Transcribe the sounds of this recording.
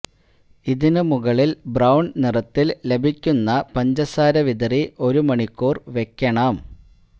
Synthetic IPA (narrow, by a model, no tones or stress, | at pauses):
iðinɨmuɣɐɭilbrɐwɳɖnirɐt̪ːille̞bʱikʲːunːɐpɐɲd͡ʑɐsaːɾɐʋid̪ɐriʔo̞ɾumɐɳikːuːrʋe̞kʲːɐɳɐm